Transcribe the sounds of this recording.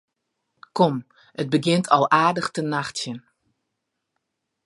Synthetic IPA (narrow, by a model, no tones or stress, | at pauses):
kɔm | ʔət̚bəɡɪntʰɔlˠaːdəxtənaxtjən